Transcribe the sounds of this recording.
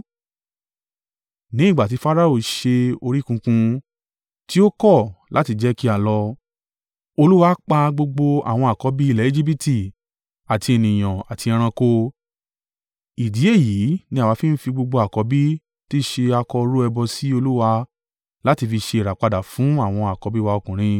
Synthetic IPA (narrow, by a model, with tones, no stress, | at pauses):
nĩ˨˦˨ɡ͡ba˨t̬i˨˧˦fa˦ɾa˦˨o˦˨ʃe˧o˧ɾi˦kũ˧kũ˧ | ti˦o˦kɔ˦˨lʔa˨˦ti˧d͡ʒɛ˦ki˦a˨lɔ˧ | o˧lu˦wa˧˦k͡pa˧ɡ͡bo˧ɡ͡bo˧a̰˨w̃ɔ̃˧a˨kɔ˨˦bi˦i˦˨lɛ˨˦e˦˨d͡ʒi˦p̬i˦˨ti˨ | a˨ti˧e˨nĩ˨j̃ã˨a˨ti˧ɛ̃˧ɾ̃ã˧ko˧ | i˨di˨˦e˦˨ji˨˦nĩ˧a˦˨wa˨˧˦fĩ˦n̩˦fi˧ɡ͡bo˧ɡ͡bo˧a˨kɔ˨˦bi˦ | ti˦ʃe˧a˧kɔ˧ɾu˦ɛ˧bɔ˧si˦o˧lu˦wa˧ | la˦ti˧fi˧ʃe˧i˨ɾa˨k͡pa˧da˨fũ˨˦a˦˨w̃ɔ̃˧a˨kɔ˨˧˦bi˦wa˧o˧˨kũ˨ɾ̃ĩ˧